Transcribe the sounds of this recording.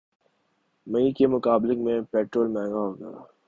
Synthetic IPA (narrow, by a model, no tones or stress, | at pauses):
mɐ̃ĩkemʊkaːblɪ̃kmẽpɛːʈɾoːlmɛ̃ːŋɡaɦoːɡɐja̰ː